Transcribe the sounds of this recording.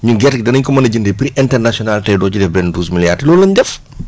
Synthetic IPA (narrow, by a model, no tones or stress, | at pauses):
ɲuɡɛɾkdɐnəɲkɔmɐnɐɟindepɾiʔɛntɛrnasiɔnaltɐjdɔːt͡ʃudɛfbɛnduːzmiljartlɔːlːɐɲdɛf